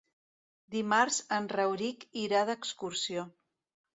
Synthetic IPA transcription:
d̪imaɾzənrəwɾikiɾaðəkskuɾsio

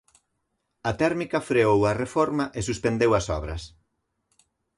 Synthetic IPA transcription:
ɐt̪ɛɾmikɐfɾeowɐrefɔɾmɐʔesuspend̪ewɐsɔ̰βɾɐ̰s

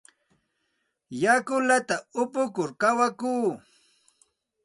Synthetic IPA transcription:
jakʊlat̪aʊpʊkʊɾkawakuː

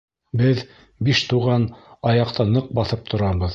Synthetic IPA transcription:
bɘð | biʃt̪uʁɑnɑjɑqt̪ɑnɤq̚bɑθɤp̚t̪ʰŏɾɑβɤð

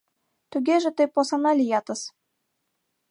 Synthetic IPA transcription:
t̪uɡʲeʒɘ̆t̪ɨposɑnɑlʲijɑt̪ɤ̆s

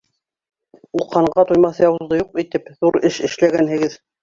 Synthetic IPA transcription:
ulˠqɑɴɢɑt̪ujmɑθjɑwzðɤjuqit̪ɘpðuɾɘʃɘ̆ʃlæɡænhɘ̆ɡɘð

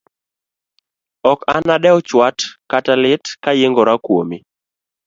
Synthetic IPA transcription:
ɔkanaɗɛɔt͡ʃwatkatalɪtkajɪŋɡɔɾakwo̰mi

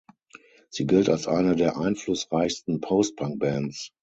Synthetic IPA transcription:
z̥iːɡɪltalsʔaɪnədeːɐʔaɪnflʊsʁaɪçstn̩pʰoʊst̚b̥ʰãŋk̚b̥ɛ̃ns

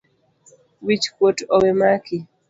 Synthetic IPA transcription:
wit͡ʃkwotɔwemaki

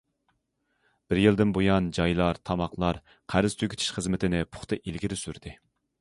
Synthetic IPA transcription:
b̥ɪɾjilˠd̪ɪnbojɑnd͡ʒɑjlˠɑɾt̪ʰɑmɑχlˠɑɾ | qʰæɾɪz̥t̪ʰykʲi̥t̪ʰi̥ʃχəzmɪt̪ʰɪnɪpʰʊ̥χt̪ɨʔilɡʲiɾɪsyɾd̪̥ɪ

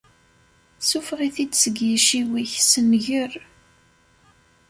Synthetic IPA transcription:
sufʁiθid̪səɡjiʃiwiçsənʝəɾ

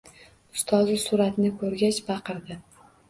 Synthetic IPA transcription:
ʊ̥st̪ʰɒzɪsʊɾat̪nɪkʰɵɾɡʲat͡ʃbɑqʰɨɾd̪ɪ

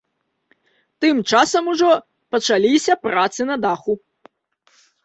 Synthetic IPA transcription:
t̪ɨmt͡ʂasɐmuʐɔ | pɐt͡ʂalʲisʲɐpɾat̪sɨnɐd̪axu

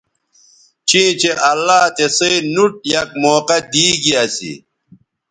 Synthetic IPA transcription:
t͡ɕĩːt͡ɕeʔɐlːaːt̪esɐinuʈ̚jɐk̚moːqɐd̪iːɡiɐsḭ

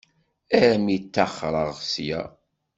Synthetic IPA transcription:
æɾmit̪ːaχɾˤəʁsjæ̰

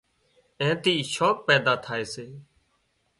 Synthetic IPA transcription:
ɛ̃ːt̪iːʃoːk̚pɛːd̪aːt̪ʰaːeːseː

